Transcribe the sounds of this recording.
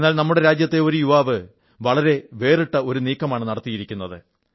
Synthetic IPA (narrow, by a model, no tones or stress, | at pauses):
nːaːlnɐmːuɽe̞ɾaːd͡ʑjɐt̪ːe̞o̞ɾujuʋaːʋɨ | ʋɐɭɐɾe̞ʋe̞ːriʈːɐo̞ɾuniːkːɐmaːɳɨnɐɽɐt̪ːijiɾikʲːunːɐðɨ̰